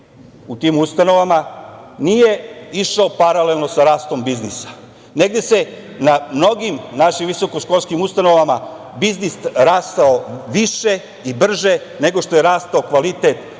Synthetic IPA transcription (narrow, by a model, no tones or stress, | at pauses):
ut̪iːmust̪ano̞ʋamanije̞iʃaopaɾalelno̞saɾaːst̪o̞mbiznisḁ | ne̞ɡd̪e̞se̞ | namno̞ɡimnaʃimʋiso̞koʃko̞lˠskimust̪ano̞ʋama | biznisɾaːst̪aoʋiʃe | ibr̩ʒe | ne̞ɡo̞ʃt̪o̞je̞ɾaːst̪aokʋalit̪et̪